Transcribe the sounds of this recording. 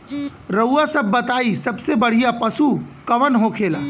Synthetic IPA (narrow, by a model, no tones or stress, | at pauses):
ɾɐuasɐbːɐt̪aːisɐbsebɐɽ̤ijapɐsukɐʋənɦokʰeːlaː